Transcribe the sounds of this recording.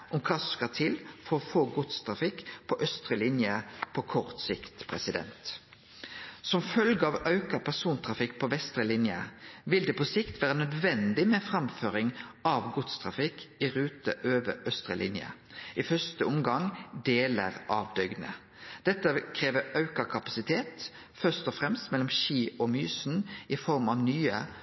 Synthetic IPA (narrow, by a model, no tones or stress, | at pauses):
ʔɔmkʰɑːsɔskɑt̪ʰɪlfɔɾɔfoːɡʊt̪st̪ʰʁɑfɪkpʰɔʔœst̪ʁəlɪnjəpʰɔkʰɔʁt̪sɪkt̪pʰʁɛsɪd̪ɛ̰nt̪ | sɔmfœlɡəɑʋɑʉkɑpʰæʁsuːnt̪ʰʁɑfɪkːpʰɔʋɛst̪ʁəlɪnjəʋɪld̪ɛːpɔsɪkt̪ʋæːʁənœd̪ʋɛnd̪ɪmɛfʁɑmføːɾɪŋɑʋɡʊt̪st̪ʰʁɑfɪkɪɾʉːt̪əʔøːʋəʔœst̪ʁəlʔɪ̰njə̰ʔɪfœst̪əɔmɡɑŋd̪eːlə̰ʁʔɑʋd̪œɡnə̰ | d̪̥ɛt̪ːəkʰɾeːʋəɑʉkəkʰɑpɑsɪt̪ʰeːt̪ | fœst̪ɔfɾʁɛmst̪mɛlːɔmʃiːʔɔmyːsn̩ɪfɔʁmɑʋnyːə